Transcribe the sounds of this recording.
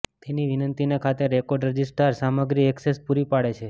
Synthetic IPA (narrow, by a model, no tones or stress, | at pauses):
t̪eniʋinənt̪inekʰat̪eɾekɔɾɖɾəd͡ʒisʈəɾsaməɡɾiɛksespuɾipaɭet͡ʃʰe